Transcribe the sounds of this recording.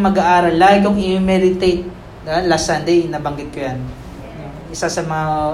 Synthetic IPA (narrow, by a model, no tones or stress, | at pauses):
mɐɡaʔaːɾɐlːaːɡoŋʔɪjomɛdɪt̪et̪̚ | d̪ɪbalasɐnd̪ejɪnabɐŋɡɪt̪̚kojan | no | ʔɪsasɐmɐŋa